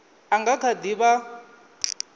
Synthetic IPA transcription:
aŋɡakʰad̪iβa

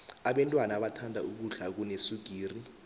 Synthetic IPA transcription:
aɓɛntʼwanaɓatʰandʱauk̬uɮak̬unesuɡ̥ʱiːri

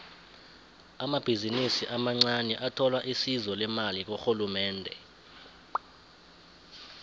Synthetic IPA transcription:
amab̥ʱizinisiʔamaŋ͡ǀanɛʔatʰɔlwaʔisizɔlɛmalik̬oxulumɛːndʱɛ̰

